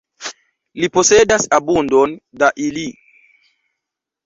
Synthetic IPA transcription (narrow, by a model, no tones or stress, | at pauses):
liposedasabundondaʔili